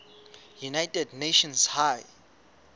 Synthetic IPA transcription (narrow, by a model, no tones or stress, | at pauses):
junaɪtədneʃɔ̃nshaj